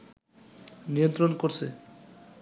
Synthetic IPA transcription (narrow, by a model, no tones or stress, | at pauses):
nijont̪ɾonkoɾt͡ɕʰe